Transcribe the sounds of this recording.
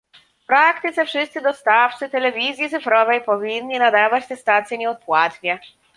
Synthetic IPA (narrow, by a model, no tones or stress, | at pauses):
fpɾakt̪ɘt̪sɛfʂɘst̪sɘd̪ɔst̪aft͡sɘt̪ɛlɛvʲizʲjit̪sɘfɾɔvɛjpɔvʲinːinad̪avat͡ɕt̪ɛst̪at̪sʲjɛɲɛɔt̪̚pwat̪ɲʲɛ